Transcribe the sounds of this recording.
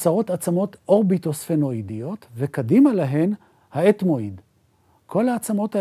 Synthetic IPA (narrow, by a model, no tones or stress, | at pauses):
saʁo̞t̪at͡samo̞t̪ʔo̞ʁbit̪o̞sfeno̞idijo̞t̪vekadimalaɦe̞n | haetmoid̪ | kʰo̞laːt͡samo̞ta